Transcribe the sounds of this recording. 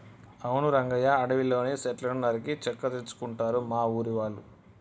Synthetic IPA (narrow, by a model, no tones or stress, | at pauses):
ɐwnuɾɐŋɡɐjaːɽɐʋilo̞ːneːsɛʈlɐnɐɾikit͡ʃɐkːɐt̪et͡ʃːu̥kuɳʈaːɾumaːuːɾiʋaːɭːu